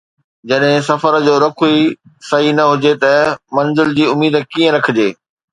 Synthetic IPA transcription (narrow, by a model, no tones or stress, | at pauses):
d͡ʑɐɗɦɪ̃sɐfəɾd͡ʑoːɾɐkʰuisɐɦinɐɦʊd͡ʑet̪ɐmɐ̃nzɪld͡ʑiːʊmiːd̪kiːə̃ɾɐkʰɪd͡ʑeː